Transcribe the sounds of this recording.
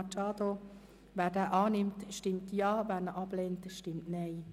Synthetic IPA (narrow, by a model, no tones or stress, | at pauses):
t͡ʃɑːd̪o | ʋɛːɾdɛːʔɑːnɪmtʃtɪmtjɑːvæːɾnəʔɑb̥leːntʃtɪmtnɛɪ